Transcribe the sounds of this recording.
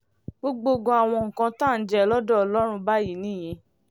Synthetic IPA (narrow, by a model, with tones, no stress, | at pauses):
ɡ͡bo˧ɡ͡bo˧ɡɔ̃˧a˨w̃ɔ̃˧ŋ̩˨kã˧tã˦˨n̩˨d͡ʒɛ˧ɔ˨lɔ˦dɔ˦ɔ˧lɔ˦ɾ̃ũ˧ba˦ji˨˦nĩ˦˨j̃ĩ˧